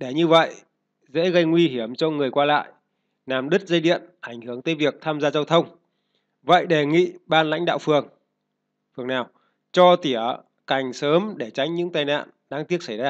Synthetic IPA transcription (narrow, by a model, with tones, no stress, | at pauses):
ɗe˧˩ɲɨ˧və̰˧˨j | zḛ˧˥ɣə˧jŋwi˧ɦi˧˩əmt͡ɕɔ˧ŋɨ˨˩əjkwaː˧la̰ː˧˨j | naː˨˩mɗɨ˦˥t̚zə˧jɗḭ˧˨ənʔa˧˩ŋ̟hɨ˧˩əŋt̪əː˨˦jvi˨˩ək̚t̪ʰaː˧mzaː˧zaː˧wt̪ʰə˧wŋ͡m | və̰˧˨jɗe˨˩ŋḭ˧˨ɓaː˧nla̰˧˥jŋ̟ɗa̰ː˧˨wfɨ˨˩əŋ | fɨ˨˩əŋnaː˨˩w | t͡ɕɔ˧t̪i˧˩ə | ka˨˩jŋ̟səː˨˦mɗe˧˩t͡ɕa˨˦jŋ̟ɲɨ̰˧˥ŋt̪aː˨˩jna̰ː˧˨nɗaː˧ŋt̪i˦˥ət̚sa˧˩jzaː˧